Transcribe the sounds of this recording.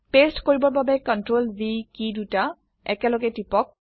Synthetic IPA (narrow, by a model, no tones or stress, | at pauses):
pestkoɹibɔɹbabɛkɔntɹolbikiduta | ɛkɛlɔɡɛtipɔk̚